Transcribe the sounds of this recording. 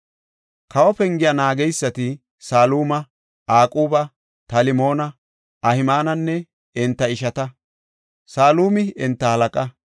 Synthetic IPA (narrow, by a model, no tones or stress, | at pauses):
kɐwɔpɛŋɡɪjɐnaːɡɛjsːɐt̪ɪ | saːluːmɐ | aːkʼuːbɐ | t̪ɐlɪmo̞ːnɐ | ɐhɪmaːnɐnːɛ | ɪnt̪ːɐɪʃɐt̪ɐ | saːluːmɪɪnt̪ːɐhɐlɐkʼɐ